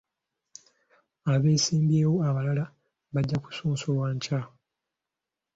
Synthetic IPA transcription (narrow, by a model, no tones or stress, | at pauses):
aβe̞ːsiːmbje̞ːwo̞aβalala | βaɟːaku̥suːnsowaːɲca